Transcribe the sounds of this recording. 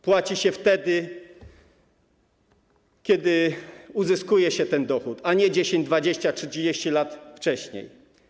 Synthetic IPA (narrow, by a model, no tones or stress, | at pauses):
pwat͡ɕiɕɛft̪ɛd̪ɘ | kʲɛd̪ɪuzɘskujɛɕɛt̪ɛnd̪ɔxut̪aɲɛd͡ʑeɕeɲd͡ʑd̪vad͡ʑeɕt͡ɕaʂɘt͡ɕid͡ʑeɕt͡ɕilat̪ft͡ʂɛɕɲḛj